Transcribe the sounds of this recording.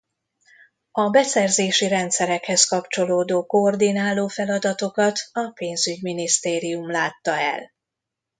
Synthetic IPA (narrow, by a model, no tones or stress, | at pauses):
ɒbɛsɛrzeːʃiɾɛnt̪sɛɾɛkhɛskɒpt͡ʃo̞loːd̪oːkoord̪inaːlːoːfɛlɒd̪ɒt̪o̞kɒt̪ɒpeːnzyɟminist̪eːɾijumlaːt̪ːɒɛ̰l